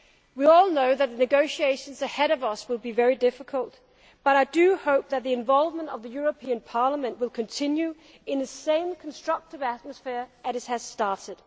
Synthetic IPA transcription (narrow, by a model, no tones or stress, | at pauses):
wiɔlˠnoʊðɨt̪̚ðɨnɨɡoʊʃieɪʃɨ̃n̩zɨhɛɾʌvʌswɨlˠbivɛɹidɪfəkʰəlˠt̚ | b̥ʌɾaɪdɨhoʊp̚ðɨt̪̚ðiɨ̃ɱvɑlˠvmə̃ntʌvðɨjʊɹɨpʰĩɨ̃npʰɑɹləmɨ̃nʔwɨlˠkʰɨ̃ntʰɪ̃njʉ | ɨ̃nðɨsẽɪ̃mkʰn̩stɹ̥ʌk̚tɨvæt̚məsfɪɹɨzɨt̚hɨz̥stɑɹɾɨd̥